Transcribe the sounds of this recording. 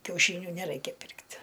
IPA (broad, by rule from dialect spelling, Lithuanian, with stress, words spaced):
kʲɛʊˈʃʲiːnʲʊ nʲɛˈrɐɪkʲɛ ˈpʲɪrktʲ